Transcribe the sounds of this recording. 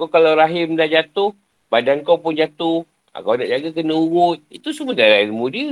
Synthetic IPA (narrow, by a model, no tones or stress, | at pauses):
kakalawɾaɦɪmdaʔd͡ʒat̪ʊh | badankawpʊnd͡ʒat̪ʊh | a̰kawnaʔd͡ʒaɡak̬ənəuwʊt̪̚it̪usuməd̪aɾailmudi